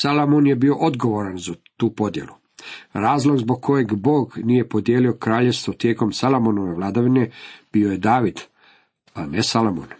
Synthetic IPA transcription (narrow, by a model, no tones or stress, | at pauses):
salomonjebio̞ʔo̞d̪ɡo̞ʋo̞ɾanzat̪uːpo̞d̪je̞̰lu | ɾaːzlˠo̞ɡzboɡ̚kʰo̞je̞ɡbo̞ːɡnije̞po̞d̪jeːlio̞kɾaːʎest̪ʋot̪je̞ːko̞msalomonoʋe̞ʋlˠaːd̪aʋine̞b̥ioje̞d̪aːʋid̪ | amesalomon